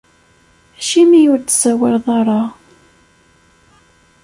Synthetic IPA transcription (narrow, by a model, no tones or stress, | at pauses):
æʃimijʊɾt̪sæwɪɾðˤɑɾˤɑ